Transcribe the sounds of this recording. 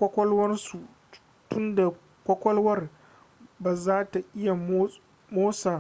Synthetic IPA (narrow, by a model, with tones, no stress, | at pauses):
kʷɔ˦kʷɔ˦lwɐ˦rsu˨ | tʊ˦nda˨ | kʷɔ˦kʷɔ˦lwɐ˦r | baː˨zaː˦ta˨ʔɪ˦ja˨m˦ | moː˦saː˨